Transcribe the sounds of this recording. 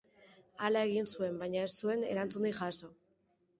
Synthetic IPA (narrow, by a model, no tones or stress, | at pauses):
alae̞ɣ̞insue̞mbajɲae̞ssue̞ne̞̰ɾant͡sund̪iʝaso̞